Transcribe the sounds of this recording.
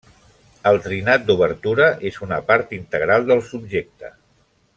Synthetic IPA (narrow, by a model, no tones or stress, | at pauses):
əlˠt̪ɾinat̪̚d̪uβəɾt̪uɾəʔezunəpaɾt̪int̪əɣ̞ɾalˠd̪əlˠsub̚ʒek̚t̪ə̰